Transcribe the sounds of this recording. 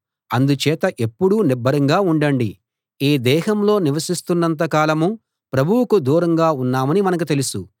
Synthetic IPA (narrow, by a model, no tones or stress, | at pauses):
ɐnd̪ut͡ʃɛːt̪ɐʔe̞pːuɽunibːɐɾɐŋɡaːuɳɖɐɳɖi | eːd̪ɛːɦɐmlo̞ːniʋɐsist̪unːɐnt̪ɐkaːlɐmu | pɾɐbʱuwukud̪uːɾɐŋɡaːunːaːmɐnimɐnɐk̬ut̪e̞lusu